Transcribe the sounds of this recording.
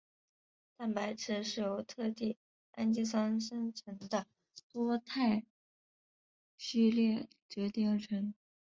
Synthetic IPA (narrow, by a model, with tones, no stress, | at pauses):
t̪a˥˩npa˧˥ɪʈ͡ʂʰɻ̩˧˥ʂɻ̩˥˩jo˧˥ʊt̪ʰɤ˥˧t̪i˥˩ | a̰˥nt͡ɕi˥s̬wɑ˥nʂə˥nʈ͡ʂʰə˧˥ŋd̪ə˧ | t̪wɔ˥t̪ʰa˥˧ɪ | ɕy˥˧ljɛ˥˩ | t͡ɕɥɛ˧˥t̪i˥˩ŋ˥˩ʈ͡ʂʰə˧˥ŋ